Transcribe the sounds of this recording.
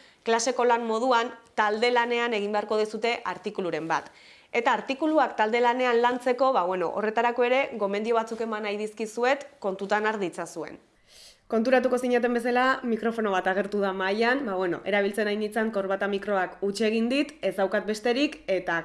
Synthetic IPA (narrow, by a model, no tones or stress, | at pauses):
klase̞ko̞lanmo̞ð̞uant̪ald̪e̞lane̞ane̞ɣ̞imbe̞aɾko̞ðisut̪e̞ʔaɾt̪ikuluɾe̞mba̰t̪ | e̞t̪aːɾt̪ikuluakt̪ald̪e̞lane̞anlant͡se̞ko̞βaβweno̞̰ʔo̰re̞t̪aɾako̞e̞ɾe̞ɣo̞mend̪io̞β̞at͡suke̞manajðiskisue̞t̪ko̞nt̪ut̪anaɾðit͡sasue̞̰n | ko̞nt̪uɾat̪uko̞siɲat̪̬e̞mbe̞salamikɾo̞fo̞no̞β̞at̪aɣ̞e̞ɾt̪uðamajanbaβwe̞no̞̰ʔe̞ɾaβ̞ilt͡se̞najnit͡saŋko̞ɾβat̪amikɾo̞akut͡ʃe̞ɣ̞ind̪it̪e̞zd̪awkat̪̚be̞st̪e̞ɾike̞t̪a